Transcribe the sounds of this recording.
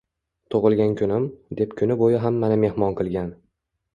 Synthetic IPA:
t̪ʰoʁɨlˠɡʲankʲʰʊnɪmd̪e̞pkʲʰʊnɪbojɪɦamːanɪme̞hmɒnqʰɨlˠɡʲan

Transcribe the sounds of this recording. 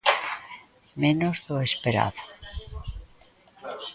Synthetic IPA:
mẽnozðoespeɾa̰ðo̥

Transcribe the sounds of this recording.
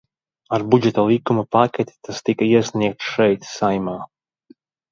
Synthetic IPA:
aɾbud͡ʒɛt̪alˠikumɐpakʲɛt̪ʲi̥t̪ʰast̪ikaiɛsʲniɛk̚t̪ʃɛjt̪sajmaː

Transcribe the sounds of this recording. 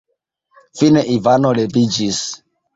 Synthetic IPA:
fineʔivanolebid͡ʒis

